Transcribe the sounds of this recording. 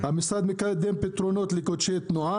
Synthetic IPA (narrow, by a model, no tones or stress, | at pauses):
ɐmist̪ad̪mikaed̪empet̪ɾonot̪likot͡ʃʰet̪nuã